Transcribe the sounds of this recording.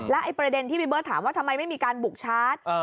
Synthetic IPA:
lɛ˦˥ʔa˧jpɾa˧de˧nt̪ʰiː˥bi˧bɤː˥˩t̪ʰa̰ː˩˦mwaː˥˩t̪ʰa˧mːa˧jma˥˩jmiː˧kaː˧nbu˨˩k̚t͡ɕʰaː˦˥t̪̚

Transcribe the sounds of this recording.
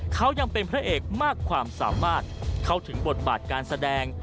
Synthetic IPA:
kʰa˦˥wja˧ŋpe˧npʰɾa˦˥ʔeː˨˩k̚maː˥˩kʰːwaː˧msa̰ː˩˦maː˥˩t̪̚kʰa˦˥˩wt̪ʰɯ˩˦ŋbo˨˩t̪̚baː˨˩t̪̚kaː˧nsa˧dɛː˧ŋ

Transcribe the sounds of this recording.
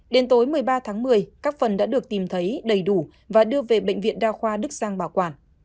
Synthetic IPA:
ɗe˨˦nt̪o˨˦jmɨ˨˩əjɓaː˧t̪ʰaː˨˦ŋmɨ˨˩əjkaː˦˥k̚fə˨˩nɗa̰ː˧˥ɗɨ˨˩ək̚t̪i˨˩mt̪ʰə˨˦jɗə˨˩jɗu˧˩ | vaː˨˩ɗɨ˧əve˨˩ɓə̰˧˨ŋ̟vḭ˧˨nɗaː˧xwaː˧ɗɨ˦˥k̚z̥aː˧ŋɓaː˧˩wkwaː˧˩n

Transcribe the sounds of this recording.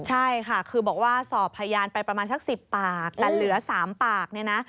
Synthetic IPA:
t͡ɕʰa˥˩jkʰa˥˩kʰɯː˧bɔː˨˩k̚waː˥˩sɔː˨˩pʰːa˧jjaː˧npa˧jpɾa˧maː˧nsa˧˥˩k̚si˨˩pːaː˨˩k̚t̪ɛː˨˩lɯ˨˩˦saː˩˦mpaː˨˩k̚ni˥˩ɐna˦˥

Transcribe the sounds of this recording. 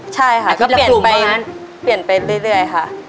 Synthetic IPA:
t͡ɕʰa˥˩jkʰa˥˩kɔː˥˩˧pi˨˩˨pa˧jn | pi˨˩ənpa˧jɾɯ˥˩˨jɾɯ˥˩əjkʰa˥˩ʔ

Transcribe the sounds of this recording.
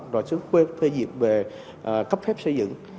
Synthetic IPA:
ɗa̰˨˩t͡ɕɨ˨˦əxwe˧t̪ʰwe˧zḭ˧˨əmve˨˩ | ʔkə˦˥p̚fɛ˦˥p̚sə˧jzɨ̰˧˨ŋ

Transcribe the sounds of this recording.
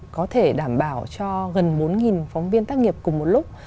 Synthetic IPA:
kɔ˨˦t̪ʰe˧˩ɗaː˧˩mɓaː˧˩wt͡ɕɔ˧ɣə˨˩nɓo˨˦nŋi˨˩nfɔ˨˦wŋ͡mvi˧ənt̪aː˦˥k̚ŋi˨˩əp̚kʊ˨˩ŋ͡mmo˨˩t̚lʊ˦˥k͡p̚

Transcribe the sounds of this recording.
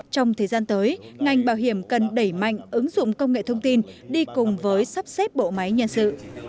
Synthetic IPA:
t͡ɕɔ˧wŋ͡mt̪ʰəː˨˩jzaː˧nt̪əː˨˦jŋa˨˩jŋ̟ɓaː˧˩wɦi˧˩əmkə˨˩nɗə˧˩jma̰˧˨jŋ̟ʔɨ˨˦ŋzʊ̰˧˨ŋ͡mkə˧wŋ͡mŋḛ˧˨t̪ʰə˧wŋ͡mt̪i˧nɗi˧kʊ˨˩ŋ͡mvəː˨˦jsa˦˥p̚sɛ˦˥p̚ɓo̰˧˨ma˨˦jɲə̰˧˨nsɨ̰˧˨

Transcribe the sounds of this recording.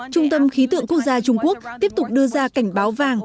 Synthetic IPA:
t͡ɕʊ˧ŋ͡mt̪ə˧mxi˨˦t̪ɨ̰˧˨əŋku˦˥ək̚zaː˧t͡ɕʊ˧ŋ͡mku˦˥ək̚t̪i˦˥əp̚t̪ʊ˨˩k͡p̚ɗɨ˧əzaː˧ka˧˩jŋ̟ɓaː˨˦wvaː˧˨˩ŋ

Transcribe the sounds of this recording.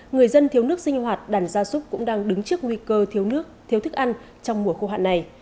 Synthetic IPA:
ŋɨ˨˩əjzə˧nt̪ʰi˨˦əwnɨ˦˥ək̚si˧ŋ̟hwaː˨˩t̚ɗaː˧˩nzaː˧sʊ˦˥k͡p̚kʊ̰˧˥ŋ͡mɗaː˧ŋɗɨ˨˦ŋt͡ɕɨ˦˥ək̚ŋwi˧kəː˧˦˥ | t̪ʰi˨˦ət̪ɨ˦˥k̚ʔa˧n | t͡ɕɔ˧wŋ͡mmu˧˩əxo˧ɦa̰ː˧˨nːa˨˩j

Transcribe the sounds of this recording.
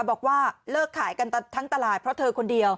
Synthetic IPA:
wbɔː˨˩k̚waː˥˩lɤː˥˩kʰːaː˩˦jka˧n˧t̪ʰa˦˥ŋt̪a˧laː˨˩pʰɾɔ˦˥t̪ʰɤː˧kʰo˧ndi˧əw

